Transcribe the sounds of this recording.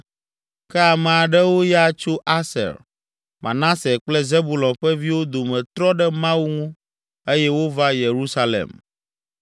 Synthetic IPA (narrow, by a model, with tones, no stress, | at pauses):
kɛ˦a˨mɛ̃˨a˨ɖɛ˦wo˦ja˦˨t͡ʃo˦ʔa˦sɛ̰˨ɾ | mʔã̰˨nã˦sɛ˨k͡plɛ˦ze˦bu˨lɔ̃˨nɸɛ˦vi˦wo˦d̪o˨mɛ̃˨t̪ɾɔ˦ɖɛ˦mã˦wu˦ŋũ˦ | e˦jɛ˦wo˦va˦je˨ɾu˦sa˦lḛ˨m